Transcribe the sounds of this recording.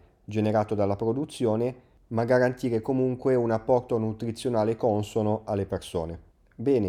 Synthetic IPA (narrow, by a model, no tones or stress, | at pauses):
d͡ʒeneɾaːt̪od̪alːapɾod̪ut̪sːjoːne | maɡaɾant̪iːɾekomuŋkweunapːɔrt̪onut̪ɾit̪sːjonaːlekɔnsonoalːeperso̰ːne | bɛːne